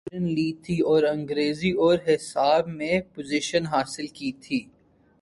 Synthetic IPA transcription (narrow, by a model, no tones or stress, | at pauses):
ənliːt̪ʰiɔːɾɐ̃ŋɡɾeːziɔːɾɦɪsaːbmẽpozɪʃənɦaːsɪlkiːt̪ʰiː